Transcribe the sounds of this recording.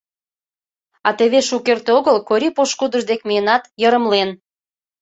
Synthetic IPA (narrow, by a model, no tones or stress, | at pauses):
ɑt̪eβeʃukert̪eoɣəlkoɾʲipoʃkud̪əʒd̪ekmiənɑt̪jəɾə̆mlen